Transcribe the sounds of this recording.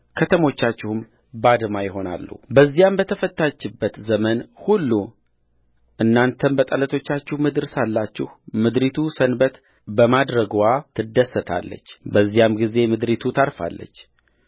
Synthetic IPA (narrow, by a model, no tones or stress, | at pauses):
kʰət̪ʰəmo̞t͡ʃːat͡ʃːɪhɨm | bad̪majɪɦo̞na̰lːṵbəzːijambət̪ʰəfət̪ːat͡ʃːɪbːət̪zəmənhulːu | ʔɨnːant̪ʰənbət̪ʼələt̪ʰo̞t͡ʃːat͡ʃːɪhmɨd̪ɨɾsalːat͡ʃːɪhmɨd̪ɾit̪ʰusənbət̪ | bəmad̪ɾəɡwat̪ʰɨd̪ːəsːət̪ʰa̰lːə̰t͡ʃːbəzːijamɡize̞mɨd̪ɾit̪ʰut̪ʰaɾfa̰lːə̰t͡ʃː